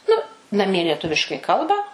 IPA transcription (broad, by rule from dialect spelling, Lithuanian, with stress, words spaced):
ˈnʊ nɐˈmʲiɛ lʲiɛˈtʊʋʲɪʃkɐɪ ˈkɐlˠbɐ